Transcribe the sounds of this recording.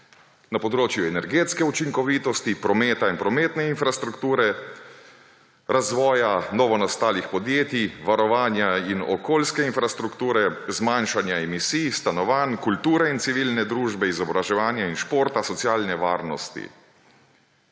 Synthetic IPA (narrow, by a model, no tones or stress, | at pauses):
napɔd̪ɾoːt͡ʃjuɛnɛɾɡeːt̪skɛut͡ʃiŋkɔʋiːt̪ɔst̪ipɾɔmeːt̪ainpɾɔmeːt̪nɛinfɾast̪ɾukt̪uːɾɛ | ɾazʋɔːjanɔʋɔnast̪aːlixpɔd̪jeːt̪iʋaɾɔʋaːnjainɔ̰koːlskɛinfɾast̪ɾukt̪uːɾɛzmanʃanjaɛmisiːjst̪anɔʋaːnkult̪uːɾɛint̪siʋiːlnɛd̪ɾuːʒbɛizɔbɾaʒɛʋaːnjainʃpoːɾt̪asɔt̪sjaːlnɛʋaːɾnɔst̪ḭ